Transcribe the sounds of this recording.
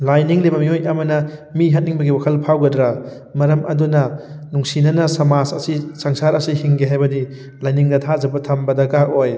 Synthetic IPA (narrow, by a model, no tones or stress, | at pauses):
lajniŋlebɐmiojɐmɐnɐmiɦɐt̚niŋbɐɡiwakʰɐlpʰawɡɐdɾa | mɐɾɐmʔɐ̰dunɐ | nuŋsinɐnɐsɐmazɐsisaŋsaɾɐsihiŋɡeɦajbɐdi | lajniŋdɐtʰad͡ʒɐbɐtʰɐmbɐdɐɡaʔoj